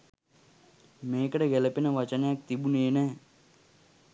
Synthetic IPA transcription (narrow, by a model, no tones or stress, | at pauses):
meːkəɽeɡɛləpinəʋɐt͡ʃɐnjak̚t̪ibuneːnɛ